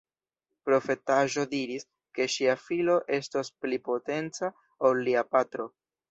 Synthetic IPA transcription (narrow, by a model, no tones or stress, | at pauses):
pɾo̞fe̞taʒo̞diɾis | ke̞ʃiafilo̞ʔe̞stasplipo̞te̞nt͡sa | olːiapatɾo̞